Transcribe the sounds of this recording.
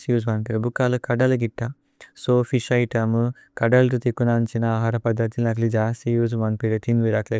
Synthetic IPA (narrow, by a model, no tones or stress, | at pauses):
sijuzʋɐnpeɾɐbukːaːlukɐɖɐlɐɡiʈːɐ | soːfʰiʃɐjʈɐmu | kɐɖɐlt̪ut̪ikːunant͡ʃinɐaːɦaːɾɐpɐd̪ʱːɐt̪ilnɐk̬lid͡ʒaːsijuːs̬ʋɐnpeɾɐt̪ʰinʋiɾakle